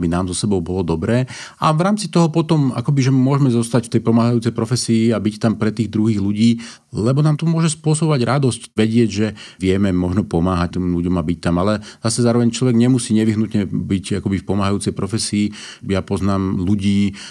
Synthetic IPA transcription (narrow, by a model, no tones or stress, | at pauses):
binaːmzɔsɛbɔʊbɔlɔd̪ɔbɾɛː | aʋɾaːmt͡sit̪ɔɦɔpɔt̪ɔma̰kɔbiʒɛmʊɔʒmɛzɔst̪acft̪ɛjpɔmaːɦajuːt͡sɛjpɾɔfɛsiːabict̪ampɾɛt̪iːɣd̪ɾuɦiːɣluɟiː | lɛbɔnaːmt̪ɔmʊɔʒɛspʊɔsɔbɔʋaɟɾad̪ɔscʋɛɟɪɛɟʒɛʋɪɛmɛmɔʒnɔpɔmaːɦac̚t̪imluɟɔmabic̚t̪amalɛzasɛzaːɾɔʋɛɲt͡ʃlɔʋɛɡɲɛmusiːɲɛʋiɦnut̪ɲɛbicakɔbifpɔmaːɦajuːt͡sɛjpɾɔfɛsiː | japɔznaːmluɟiː